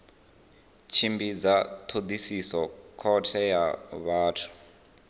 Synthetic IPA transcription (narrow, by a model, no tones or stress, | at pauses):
t͡ʃʰimbid͡zat̪ʰod̪isisɔkʰɔtʰɛjaβaːtʰu̥